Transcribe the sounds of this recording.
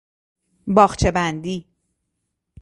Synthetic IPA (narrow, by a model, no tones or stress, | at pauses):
bɒːχt͡ʃʰe̞bænd̪iː